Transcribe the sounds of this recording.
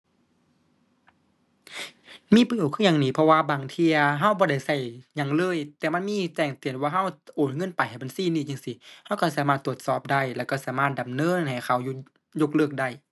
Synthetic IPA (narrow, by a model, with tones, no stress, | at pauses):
miː˧˥˨pɯ˧˩˨wkʰɯː˧˨ɲaː˧˨ŋniː˧˩pʰɔ˧waː˧baː˨˩ŋt̪ʰi˧ɐɦa˧˥˨wbɔː˧da˧˩jsa˧˩jɲa˧˩ŋlɤː˧˥˨jt̪ɛː˧˩ma˧˥˨nmiː˧˥˨t̪ɛː˧˩ŋt̪i˨˩ənwaː˧ɦa˧˩˨wʔoː˨˩nŋɤ˧˥˨npa˨jha˨˩jba˨nsiː˧˥˨niː˧˩˨ɲa˧˨ŋsi˧˩ha˧˥˨wka˧˩saː˧˦maː˧˩t̪ʰːu˧˩ət̪̚sɔː˧˩p̚da˧˩jlɛː˧˩wka˧˩saː˧˦maː˧˩t̪̚da˨mnɤː˧˥˨nɦa˨˩jkʰa˧˩wu˧ | jo˧k̚lɤː˧˩k̚da˧˩j